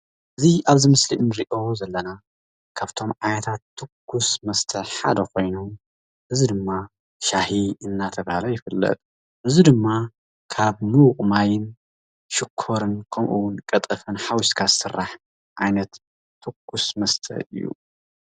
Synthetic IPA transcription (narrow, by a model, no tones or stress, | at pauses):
ʔɨziaβzimɨsliʔɨnɨɾiʔo̞zɐlːɐna | kʰaβt̪ʰo̞mʕajnɐt̪ʰat̪ːɨkːusmɐst̪ʰɐħa̰d̪ɐkʰo̞jnom | ʔɨzid̪ɨmːa | ʃahiɨnːat̪ʰɐβahalɐjɪfɨlːɐ̰t̪ʼ | ʔɨzid̪ɨmːa | kʰaβnɨwʊqʼmajɪn | ʃɨkʰːo̞ɾɨnkʰɐmʔuwʊnkʼɐt̪ʼɐfɨnħawʊʃt̪kʰasɨrːaħ | ʔajnɐt̪ʰː | ɨkːusmɐst̪ʰɐ̰ʔɨ̰jːṵ